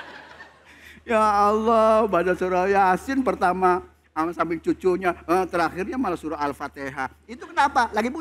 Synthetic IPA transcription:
jaːlːɔbadasuɾajaasɪnpərt̪ama | əmsambɪŋt͡ʃut͡ʃuɲaət̪əɾaxɪrɲamalasuɾaɦalfat̪eɦait̪ukənapalaɡipu

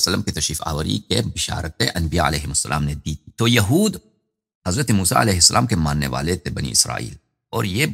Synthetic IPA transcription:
sɐlːəmket̪ɐʃiːfa̰ːʋɐɾḭkebɪʃa̰ːɾɐt̪̚eʔɐnbɪja̰ːɐ̰leːɦɪmɐsːɐlʔa̰ːmned̪iːt̪̚ʰi̥t̪ojɐɦuːd̪ | hɐzɾɐt̪emuːsa̰ːɐ̰leːɦɪsːɐlʔaːmkemaːnːḛʋa̰ːlet̪ʰebɐnḭːɪsɾa̰ːḭːl | ɔːɾje

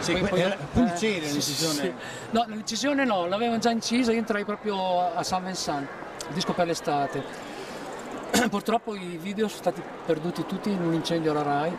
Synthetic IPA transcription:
siɔɔunt͡ʃɛːɾiĩt͡ʃizjoːne | nɔnalint͡ʃizjoːnenɔlaveːvod͡ʒaint͡ʃiːzaioent̪ɾajpɾɔːpɾjoasːaɱvensan | ild̪iskoperlest̪aːt̪e | purt̪ɾɔpːoiviːd̪eosõnst̪aːt̪i | perd̪uːt̪it̪ut̪ːiːnunint͡ʃɛnd̪jolaɾaj

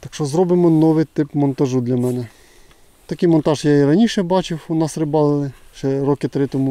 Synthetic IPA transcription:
t̪ɐkʃɔzɾɔbɪmɔnɔʋɪjt̪ɪpmɔnt̪ɐʒud̪lʲɐmɛnɛ | t̪ɐkɪjmɔnt̪ɑʒjaiɾɐnʲiʃɛbɑt͡ʃɪwunɑsɾɪbɑlˠɪlˠɪʃɛɾɔkɪt̪ɾɪt̪ɔmʊ

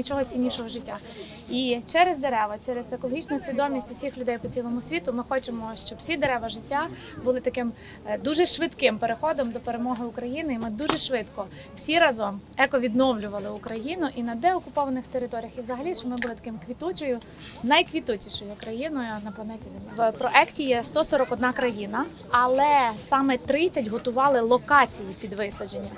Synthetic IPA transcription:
nʲit͡ʃɔɦɔt͡sʲinʲiʃɔɦɔʒɪtʲːa | it͡ʃɛɾezd̪eɾɛʋɐt͡ʃɛɾezekɔlˠɔɦit͡ʃnʊʊsʲʋʲid̪ɔmʲisʲtʲʊwsʲixlʲʊd̪ɛjpɔt͡sʲilˠɔmʊsʲʋʲit̪ʊmɪxɔt͡ʃemɔʃt͡ʃɔb̚t͡sʲid̪eɾɛʋɐʒɪtʲːa | bʊlˠɪt̪ɐkɪm | d̪uʒɛʃʋɪt̪kɪmpeɾexɔd̪ɔmd̪ɔpeɾemɔɦɪʊkɾɐjinɪimɪd̪uʒɛʃʋɪt̪kɔ | wsʲiɾɑzɔmɛkɔʋʲid̪nɔwlʲʊʋɐlˠɪʊkɾɐjinʊʔinɐd̪ɛɔkʊpɔʋɐnɪxt̪eɾɪt̪ɔɾʲijɐxizɐɦɐlʲiʃt͡ʃɔmɪbʊlˠɪt̪ɐ̥kɪmkʋʲit̪ut͡ʃɔjʊ | nɐjkʋʲit̪utʲiʃɔjʊkɾɐjinɔjʊnɐplˠɐnɛtʲizemʲɪwpɾɔʔɛktʲijɛst̪ɔsɔɾɔkɔd̪nɑkɾɐjinɐ | ɐlˠɛsɑmɛt̪ɾɪt͡sʲːɐtʲɦɔt̪ʊʋɑlˠɪlˠɔkɑt͡sʲijipʲid̪ʋɪsɐd͡ʒenʲːɐ

